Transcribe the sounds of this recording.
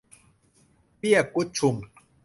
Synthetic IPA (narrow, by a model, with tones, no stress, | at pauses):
pi˦a˨ko˦t͡ʃʰu˨m